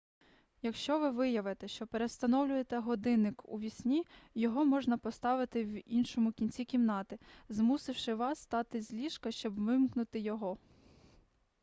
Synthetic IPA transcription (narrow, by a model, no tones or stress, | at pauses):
jɐkʃt͡ʃɔʋɪʋɪjɐʋet̪ɛʃt͡ʃɔpeɾest̪ɐnɔwlʲʊjet̪ɛɦɔd̪ɪnːɪkṵʋʲisʲnʲijɔɦɔmɔʒnɐpɔst̪ɑʋɪt̪ɪwinʃɔmʊkʲinʲt͡sʲikʲimnɑt̪ɪzmusɪwʃɪʋɑsːt̪ɑt̪ɪzʲlʲiʃkɐʃt͡ʃɔbʋɪmknʊt̪ɪjɔɦɔ